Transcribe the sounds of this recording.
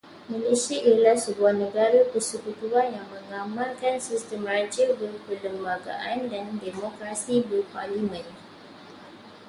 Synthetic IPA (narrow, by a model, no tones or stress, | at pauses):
malesiaʔijalahsəbuahnəɡaɾapəsukut̪uanjaŋmə̃ŋamarkansistəmrat͡ʃəbərpərləmbaɡa̰ʔandandemokɾasibərpalimə̃n